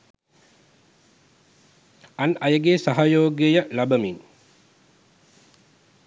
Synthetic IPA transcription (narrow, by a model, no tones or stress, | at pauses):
anɐjəɡesaɦajoːɡejəlabəmiŋ